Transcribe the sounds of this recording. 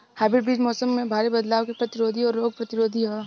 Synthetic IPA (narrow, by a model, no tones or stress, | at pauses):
hɛːbɪʈbiːd͡ʒmɔːsəmːẽbʱaːɾebɐd̪laːʋkepɾɐt̪ɪɾoːd̪ʱiɔːɾːoːɡ̚pɾɐt̪ɪɾoːd̪ʱiɦo